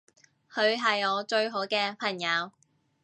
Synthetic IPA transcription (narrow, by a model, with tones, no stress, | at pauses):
hʰɵ˨˧ɥɦɐ˨jɔː˨˧t͡ʃɵ˧ɥɦo˨˥wkɛː˧pʰɐ˨˩ŋjɐ˨˧w